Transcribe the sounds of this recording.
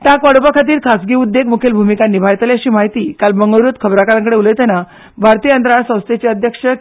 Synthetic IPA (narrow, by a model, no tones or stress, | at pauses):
t̪jakʋaɽupakʰat̪iːɾkʰasɡiːud̪ːeɡ̚mukʰelbʱumikanːibʱajt̪leəɕiːmaɦit̪iːkalbəŋɡəʋɾjut̪kʰəbɾakaɾãŋkəɽeulet̪ɛna | bʱaɾt̪iːəənd̪ɾaɳsə̃w̃st̪ʰet͡ɕeəd̪ʱjəkʂə